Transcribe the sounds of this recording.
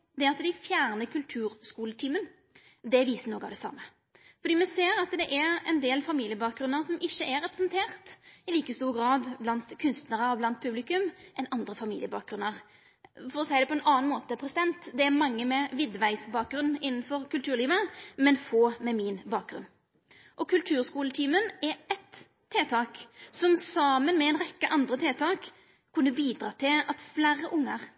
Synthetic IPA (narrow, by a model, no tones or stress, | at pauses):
d̪ɛɾɑt̪d̪æɪfjæːʁnəkʰʉlt̪ʰʉːɾskuːlət̪ʰiːmən | d̪ɛʋiːsənɔɡɑʋd̪ɛsɑ̰mːə | fɔɾd̪iːmɛseːɾɑt̪d̪ɛʔæɾɛnd̪eːlfɑmiːlɪjəbɑːk̚ɡɾʉnːəɾsɔmɪçːəʔæɾɛpɾɛsnt̪ʰeːʁt̪ɪliːkəst̪uːʁɡɾɑːd̪blɑnt̪kʰʉnst̪nəʁəɔblɑnt̪̚pʰʉblɪkʉmʔɛnɑnd̪ɾəfɑmiːlɪəbɑ̰ːk̚ɡɾʉnːəʁ | fɔɾɔsæɪd̪ɛpɔɛnɑːnmoːt̪əpʰɾɛsɪd̪ɛnt̪d̪ɛæɾmɑŋːəmɛʋɪd̪ʋæɪsbɑːk̚ɡɾʉnːɪnːn̩fɔɾkʉlt̪ʰʉːɾliːʋəmɛnfoːmɛminbɑːk̚ɡʁʉ̰n | ʔɔkʰʉlt̪ʰʉːʁskuːlət̪ʰiːmənɛɾɛt̪ʰː | eːt̪ʰɑːksɔmsɑːmənmɛɛnʁɛkːəʔɑnd̪ʁət̪ʰeːt̪ʰɑːkʰː | ʉnːəbiːd̪ɾʁɑːt̪ʰɪɑt̪flæːɾəʔʊŋːəʁ